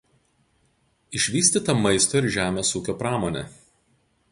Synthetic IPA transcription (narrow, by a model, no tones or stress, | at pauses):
ɪʃʲʋʲiːsʲt̪ʲiːt̪ɐmɐɪst̪oːɪɾʒʲæːmʲeːsuːkʲoːpɾɑːmoːnʲe